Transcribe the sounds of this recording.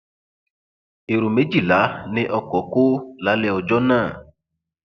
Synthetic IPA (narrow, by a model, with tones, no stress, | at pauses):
e˨ɾu˨me˨˦d͡ʒi˦˨la˨˦nɪ̃˦ʔɔ˧kɔ˨ko˦la˨˦lɛ˦˧ɔ˨d͡ʒɔ˦nãː˦˨